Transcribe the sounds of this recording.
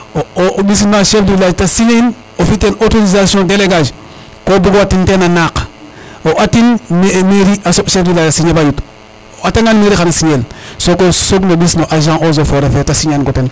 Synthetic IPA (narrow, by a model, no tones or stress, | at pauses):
oobis̬naʃefdulaːd͡ʒtasiɲein | ofitenotoɾizasijõdeleɡad͡ʒ | kobuɡoatintenanak | oʔatinmmeɾiasoʃefdilaːd͡ʒasiɲebajut | ataŋanmeɾixanasiɲelsokosoɡnobisnoʔaʒãʔozofoɾefetasiɲanɡoten